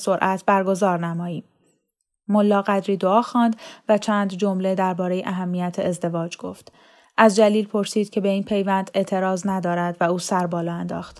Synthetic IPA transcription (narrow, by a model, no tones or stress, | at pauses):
so̞ɾʔæt̪ʰbæɾɡo̞zɒːɾnæmɒːjiːm | molːɒːɣæd̪ɾiːd̪oɒːxɒːnd̪væt͡ʃʰæːnd̪d͡ʒo̞mle̞d̪æɾbɒːɾe̞jeʔæɦæmːijæt̪ʰeezd̪e̞vɒːd͡ʒɡ̥o̰ft̪ | ʔæzd͡ʒæliːlpʰo̞ɾsiːd̪̥̚cʰe̞be̞iːnpʰe̞jvænd̪e̞ʔt̪ʰe̞ɾɒːznæd̪ɒːɾæd̪væuːsæɾbɒːlɒːænd̪ɒ̰ːxt̪